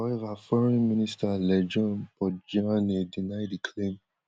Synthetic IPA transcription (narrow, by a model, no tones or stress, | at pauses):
aɛvafɔɾĩmĩnĩstalɛd͡ʒɔ̃nbɔd͡ʒãanĩdĩnadikʰlẽm